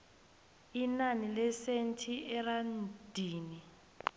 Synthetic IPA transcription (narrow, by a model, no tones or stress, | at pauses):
inanilɛsentʰiɛrand̥ʱiːni